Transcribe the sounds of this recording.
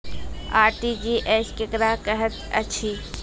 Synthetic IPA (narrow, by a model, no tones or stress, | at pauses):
aːɾʈid͡ʒiʔeskekɾakəɦət̪ə̰t͡ʃʰi